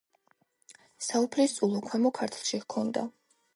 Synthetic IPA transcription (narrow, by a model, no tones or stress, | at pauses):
saupʰlist̪sʼulˠɔkʰwɛmɔkʰaɾt̪ʰlˠʃikʰɔnd̪a̰